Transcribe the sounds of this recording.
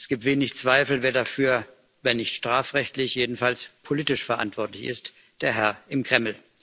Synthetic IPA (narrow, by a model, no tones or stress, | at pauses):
ɛsɡ̥iːp̚tv̥eːnɪçt͡sv̥aɪfl̩veːɐdafyːɐ | veːɐnɪçtʃtʁ̥aːfʁɛçtlɪçjeːdn̩falspʰoliːtɪʃfɛɐʔa̰ntv̥ɔɐtlɪçɪ̰st | d̥eːɐɦɛɐɪmkʁ̥ɛml̩